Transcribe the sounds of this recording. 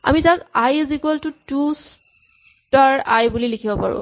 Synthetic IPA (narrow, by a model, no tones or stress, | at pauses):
a̰mitakajzikɔltutus | taɹajbulilikʰibɔpa̰ɹʊ̰̃